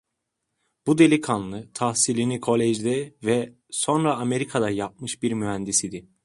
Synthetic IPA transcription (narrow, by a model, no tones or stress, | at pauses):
b̥ud̪e̞lʲikʰanlˠɯt̪ʰahsilʲinikʰo̞lʲɛʒd̪ɛvɛ | so̞nɾaːme̞ɾikʰad̪ajap̚mɯʃbiɾmyɦænd̪isid̪i